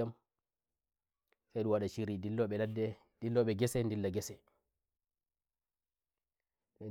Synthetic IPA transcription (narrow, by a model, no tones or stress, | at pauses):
am | sajɗuwaɗat͡ʃiɾidilːɔɓɛladːɛ | dilːɔɓɛɡɛsɛndilːaɡɛsɛ | ɛ